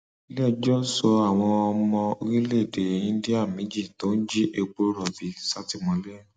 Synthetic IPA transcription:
lɛ˦˨d͡ʒɔ˦sɔ˧a˨w̃ɔ̃˧ɔ˧mɔ̃˧o˧ɾi˦le˦˨de˨ĩ˦di˦a˦˨mĩ˨˦d͡ʒi˦˨to˨˦n̩˦d͡ʒi˦ʔe˧ɡ͡bo˦ɾɔ˦˨fi˨˦sa˦ti˧mɔ̃˨˦lɛ˦˨

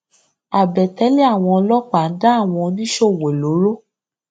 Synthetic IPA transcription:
a˨bɛ˨tɛ˨˦li˦a˦˨w̃ɔ̃˧lɔ˦k͡pa˨n̩˦da˦a˦˨w̃ɔ̃˧nĩ˦ʃo˦˨we˨lo˨˦ɾo˦

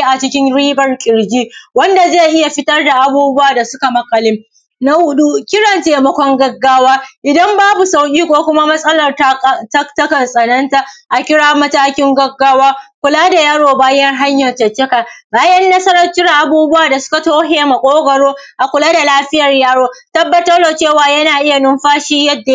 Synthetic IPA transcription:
ʔa˨t͡ʃɪ˦kʲɪ˦ŋɽiː˦bɐ˨rkʲʼɪ˨ɽd͡ʒʲiː˦wɐ˦nda˨ze˦˨ʔɪ˦ja˨ɸɪ˦tɐ˦rda˨ʔa˨buː˦bʊ˦waː˨da˨sʊ˦ka˨mɐ˨kɐ˨lɪ˦m | na˦wʊ˦ɗu˦kʲɪ˦ɽɐ˨nteː˨mɐ˦kʷɔ˦ŋɡɐ˦ɡːaː˦waː˦ʔɪ˨dɐ˦mbaː˦bu˨sa˨wkʲʼiː˦kʷoː˦kʷʊ˦ma˦mɐ˦sʼɐ˦lɐ˨rttɐ˦ktɐ˦kɐ˨nsʼɐ˨nɐ˦nta˦ʔa˨kʲɪ˦ɽaː˦mɐ˦taː˦kʲɪ˦ŋɡɐ˦ɡːaː˦waː˦kʷʊ˨laː˦da˨jaː˦ɽoː˨baː˦jɐ˦ŋɦa˦ɲjɐ˨rtɐ˨t͡ʃɛ˦kaː˨baː˦jɐ˦nːɐ˦sɐ˦ɾɐ˦t͡ʃɪ˦ra˨ʔa˨buː˦bʊ˦waː˨da˨sʊ̥˦ka˨toː˦ɦeː˨ma˨kʷʼoː˦ɡɐ˨ɽoː˦ʔa˨kʷʊ˨laː˦da˨laː˦ɸɪ˦jɐ˨rjaː˦ɽoː˦tɐ˦bːɐ˦˨tɐ˦rloː˨t͡ʃeː˦˨waː˨jɐ˦naː˨ʔɪ˦ja˨nʊ˦mɸaː˦ʃiː˦jɐ˦dːa˨

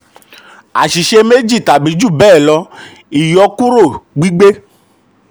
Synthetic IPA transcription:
a̰˨ʃi˨ʃe˧me˦d͡ʒi˦˨ta˨bi˨˦d͡ʒu˦˨bɛː˦˨lɔ˧ | i˨jɔ˨˧kũ˦ɾo˦˨ɡ͡bi˦ɡ͡be˦

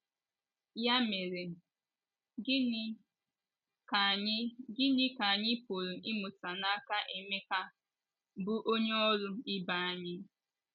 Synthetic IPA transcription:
ja˦me˨ɾe˨˦ | ka˨ɲ˦ɡɪ˦ɲɪ˦ka˨a˨ɲɪ˦po˨ɾu˨ʔɪ˦mʊ˨sa˨na˦ka˦ʔe˨me˦ka˦ | bʊ˦ʔo˦ɲe˦ɔ˦ɾʊ˦ɪ˦ba˨a˨ɲɪ˦

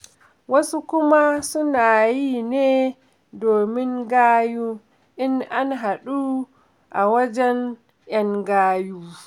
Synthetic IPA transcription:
wɐ˦su˦kʷʊ˦ma˦sʊ˦naː˨jiː˦neː˦ | doː˨mɪ˦ŋɡaː˦juː˦ | ʔɪ˦nʔa˦nɦa˨ɗu˦ | ʔa˨wɐ˦d͡ʒɛ˦n | jɐ˦ŋɡaː˦juː˦

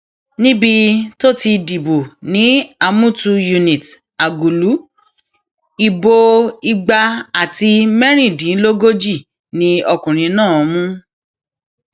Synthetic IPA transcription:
nĩ˦bi˧to˦ti˧di˨bo˨nĩ˦a˧mũ˦tu˧ju˧nĩ˨t | a˨ɡu˨lu˨˦ | i˧bo˧i˧ɡ͡ba˧a˨ti˧mɛ˦ɾ̃ĩ˦˨dĩ˨˦lo˦ɡo˦d͡ʒi˦˨ | nĩ˦ɔ˧kũ˨ɾ̃ĩ˧˦nãː˦˨˧mũ˦

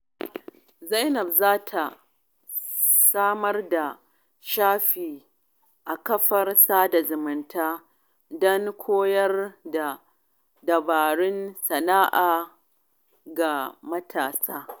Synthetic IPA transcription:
zɐ˦jnɐ˨b̚zaː˦tʰa˨ | saː˦mɐ˦rda˨ | ʃaː˦ɸiː˨ | ʔa˨kɐ˦ɸɐ˦rsaː˦da˨zʊ˨mɪ˨ntaː˦ | dɔ˦ŋkʷʰoː˦jɐ˦rda˨ | dɐ˨baː˨ɽɪ˦nsɐ˨naː˦ʔaː˨ | ɡa˨mɐ˦tʰaː˨saː˦

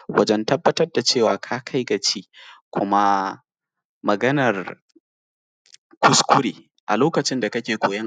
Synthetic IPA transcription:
wɐ˦d͡ʒɛ˦ntɐ˦bːɐ˦tɐ˦rda˨t͡ʃeː˦˨waː˨kʰaː˦kʰa˦jɡɐ˨t͡ʃiː˦kʷʰʊ˦ma˦ | mɐ˨ɡɐ˦nɐ˨r | kʷʊ˦skʷʊ˦ɽḛː˨ | ʔa̰˨loː˦kɐ˨t͡ʃɪ˦nda˨kɐ˦kʲeː˨ɡʷoː˨jɐ˦ŋ

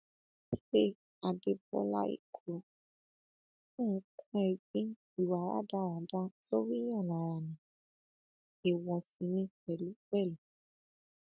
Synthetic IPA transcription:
e˦ | a˨de˧bɔ̰˧˦la̰˦ḭ˦˨ku˨o˧˦ | ũ˦˨˦kʰũ˦ɛ˨ɡ͡bĩ˦ | i˨wa˨˦ɾa̰˦da˦˨ɾa˨da˦so˦ɾi˦ɔ̃˦˨la˨ɾa˨nĩ˨ | e˨wɔ˧si˧nĩ˧˦k͡pɛ˨lu˦k͡pɛ˦˨lu˨

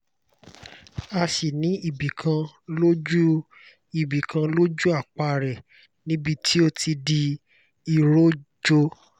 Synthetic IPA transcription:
a˧ʃi˨nĩ˨˦i˦˨bi˨kʰã˧lo˦d͡ʒu˦ | i˦˨bi˨kʰã˧lo˦d͡ʒu˦a˦˨k͡pa˧ɾɛ˨ | nĩ˦bi˧tʰi˦o˧tʰi˧di˧ | i˨ɾo˦d͡ʒo˧

